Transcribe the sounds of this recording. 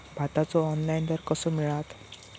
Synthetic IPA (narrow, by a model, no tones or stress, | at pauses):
bʱat̪at͡sɔːnlaind̪əɾkəsɔmiɭat̪